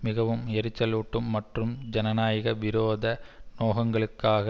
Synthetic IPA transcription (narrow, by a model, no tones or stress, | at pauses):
mɪɣɐʋɯmɛɾɯt͡ʃːɐluːʈːɯmːɐʈrɯmd͡ʒɐnɐnaːjɐɣɐʋɪɾoːðɐnoːɣɐŋɡɐɭɯkːaːɣɐ